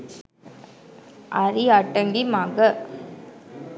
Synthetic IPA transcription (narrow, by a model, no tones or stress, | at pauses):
ʔɐɾiɐʈːɐŋɡimaːɣɐ